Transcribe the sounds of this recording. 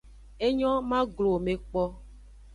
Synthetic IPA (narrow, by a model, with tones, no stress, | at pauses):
e˦ɲɔ̃˦mã˦ɡlo˨mẽ˨k͡pɔ˦